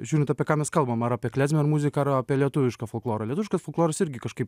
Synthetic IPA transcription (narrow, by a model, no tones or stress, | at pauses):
ʒʲuːɾʲɪnt̪ɑːpʲiɛkɑːmʲɛskɐlˠbɐmɐɾaːpʲiɛklʲæːzʲmʲɛɪɾmuzʲɪkɐɐɾaːpʲɛlʲiɛt̪ʊʋʲɪʃkɑːfolˠklˠoːɾɐlʲɛt̪ʊʋʲɪʃkɐsfʊlˠklˠoːɾɐsɪɾʲɡʲɪkɐʃkɐɪp